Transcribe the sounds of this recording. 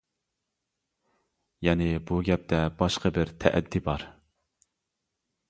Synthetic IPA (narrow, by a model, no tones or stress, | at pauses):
jɛnɪbuɡʲɛp̚t̪ʰɛb̥ɑʃqəbɪɾt̪ʰɛ̰ʔɛ̰d̪ːibɑɾ